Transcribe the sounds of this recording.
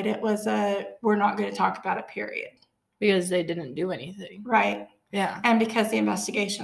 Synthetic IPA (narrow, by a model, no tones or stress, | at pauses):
ɾɪʔwʌzʌwɪɹnət̚ɡ̥ʌ̃nɨtʰɔkəb̥aʊɾɨpʰɪ̰ɹḭɨ̰d̥̚ | b̥ɨkʌzðeɪdɪdⁿn̩d̥ɨɛniθɪ̃ŋɹaɪt̚ | jæɨ̃nbɨkʰʌzðiɨ̃ɱvɛstɨɡeɪʃɨ̃